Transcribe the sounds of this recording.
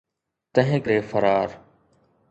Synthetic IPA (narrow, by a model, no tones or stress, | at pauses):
t̪əɦẽːkɾeːfəɾaːɾ